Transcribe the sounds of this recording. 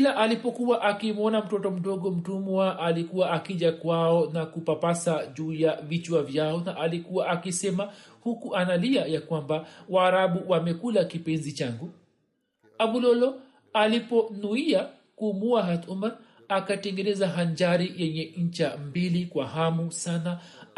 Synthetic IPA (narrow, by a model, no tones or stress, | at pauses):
laʔalipɔkuwaʔakimɔnam̩tɔtɔm̩ɗɔɡɔm̩tumwaʔalikuwaʔakiʄakwaɔnakupapasaʄuːjavit͡ʃuavjaɔnaʔalikuwaʔakisɛmahukuʔanaliajakwambawaːɾaɓuwamɛkulakipɛnzit͡ʃaŋɡu | aɓulɔlɔ | alipɔnuia | kuːmuaɦat̪umaɾ | akatɛŋɡɛnɛzaɦaɲd͡ʒaɾijɛɲɛɲ̩t͡ʃambilikwaɦamusana